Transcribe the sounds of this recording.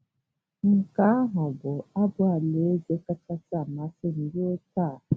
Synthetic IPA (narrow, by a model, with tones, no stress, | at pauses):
ŋ̩˨ka˦ɦʊ˨bʊ˨a˦bʊ˦a˨le˨˦d͡ʒe˦ka˦ka˦sa˦˨ma˨˦sɪ˦n̩˨dɪ˦e˦ta˦˨